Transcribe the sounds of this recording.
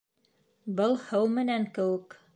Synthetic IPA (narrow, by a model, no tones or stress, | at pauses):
bɤlˠhɤwmɘ̆næŋkɘ̆wɘ̆k